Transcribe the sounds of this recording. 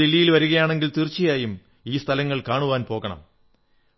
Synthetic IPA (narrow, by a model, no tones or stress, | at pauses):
ilːijilʋɐɾuɣɐjaːɳe̞ŋɡilt̪irt͡ɕːijaːjum | iːst̪ʰɐlɐŋːɐɭkaːɳuʋaːnpo̞ːɣɐɳɐ̰m